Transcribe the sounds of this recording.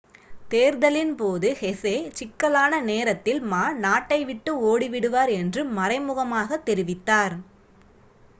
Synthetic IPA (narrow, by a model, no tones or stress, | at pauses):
t̪eːɾðɐlɪnpoːðɯhɛseːt͡ʃɪkːɐlaːnɐneːɾɐt̪ːɪlmaːnaːʈːɐɪʋɪʈːɯoːɽiʋɪɽɯʋaːɾɛndrɯmɐɾɐɪmʊɣɐmaːɣɐt̪ːɛɾɪʋɪt̪ːaːɾ